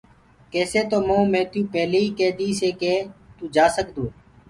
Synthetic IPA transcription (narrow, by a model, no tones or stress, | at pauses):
keːseːt̪oːmõːmẽːt̪jũːpɛːleiːkeːd̪iːseːkeːt̪uːd͡ʒaːsəkd̪õː